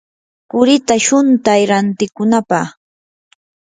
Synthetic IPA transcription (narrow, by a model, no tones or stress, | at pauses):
kʊɾɪt̪aʃʊnt̪ajɾant̪ɪkʊnapaχ